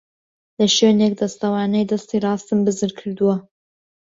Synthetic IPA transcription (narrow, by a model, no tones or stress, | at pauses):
lɐʃøːneːk̚d̪ɐst̪ɐwɑːnɛjd̪ɐst̪iːrˤɑːst̪ɨmbɨzɨɾkʰɨɾd̪uwɐ